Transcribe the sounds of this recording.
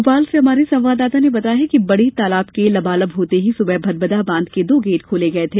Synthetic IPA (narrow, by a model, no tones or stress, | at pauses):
ʊpaːlseɦɐmaːɾesɐ̃mʋaːd̪aːt̪anebɐt̪aɦɛkibɐɽet̪aːlaːbkelɐbaːləbɦoːt̪eɦisʊbəbʱɐd̪̚bɐd̪abãːnd̪ked̪oːɡeːʈkʰoːleɡɐet̪ʰeː